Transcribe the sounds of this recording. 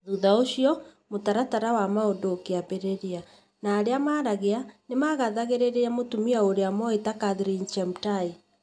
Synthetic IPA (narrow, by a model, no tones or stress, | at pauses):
ðuðaoɕiɔmotaɾataɾawamaodoːkeabeɾeɾia | naːɾeamaːɾaɣeanemaɣaðaɣeɾeɾeamotumiaoɾeamɔetakaðɾint͡ʃɛmtai